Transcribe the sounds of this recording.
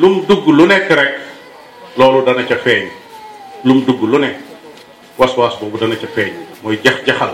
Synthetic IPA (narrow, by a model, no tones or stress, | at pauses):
lumduɡːulunɛkːɾɛk | lɔːludɐnɐcɐfɛːɲ | lumduɡːulunɛk | wɐswaːsbɔːbudɐnɐcɐfɛːɲmɔːjɟɐxɟɐxɐl